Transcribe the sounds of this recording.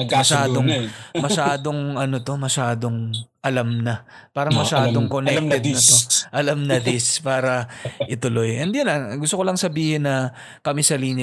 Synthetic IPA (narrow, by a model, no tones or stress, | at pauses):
mɐʃaːd̪oŋmɐʃaːd̪oŋɐno̞t̪o̞mɐʃaːd̪o̞ŋʔɐlamnɐ | paːɾɐŋmɐʃaːd̪oŋkonɛk̚t̪ɛd̪nɐt̪oʔɐlamnɐd̪ɪspaːɾɐʔɪt̪ʊlo̞jʔɛnd̪jʊnɐɡʊst̪okolɐŋsɐbiːhɪnːɐ | kɐmɪsɐliːnɪ